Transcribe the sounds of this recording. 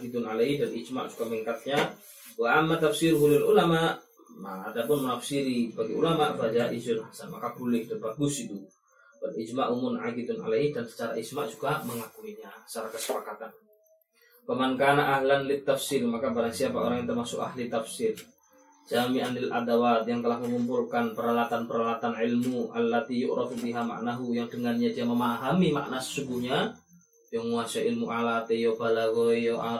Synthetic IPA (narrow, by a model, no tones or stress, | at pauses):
ɡit̪unalaihdanid͡ʒma̰ʔd͡ʒuɡamɛŋkat̪̚ɲa | waʔamːat̪afsirɦulilulamaʔ | a̰ːdapunmənafsiɾibaɡiṵlamaʔfɾad͡ʒaʔid͡ʒnsama̰kapulɪhdanbaɡusit̪u | banid͡ʒmaʔumunʕaɡit̪una̰laidansə̥t͡ʃaɾa̰id͡ʒmaʔd͡ʒuɡaməŋakuiɲat͡ʃaɾakəsə̥pakat̪an | pəmankanaʔːɦlanlit̪ːafsilmakabaɾaŋsiapaʔoɾaŋjat̪ərmasʊ̰ka̰hlit̪afsil | d͡ʒamiʔanɪlʔa̰dawat̪jaŋt̪əlahməmumpulkanpəɾalat̪anpəɾalat̪anʕɪlmuʔalːat̪ijʊʔɾɑfubiɦama̰ʔnaɦujaŋdəŋanɲadiaməmaɦamima̰ʔnasə̥suɡuhɲa | jaŋmuasaʔɪlmuʔalat̪ejɔbalaɡɔijoʔa